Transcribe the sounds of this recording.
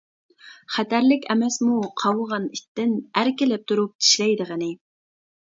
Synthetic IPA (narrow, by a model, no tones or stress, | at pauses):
χæt̪ʰæɾlɪkʲɛmɛsmuqʰɑwəʁɑnit̪ːɪnæɾkʲɪlɛp̚t̪ʰuɾup̚t̪ʰi̥ʃlɛjd̪əʁənɪ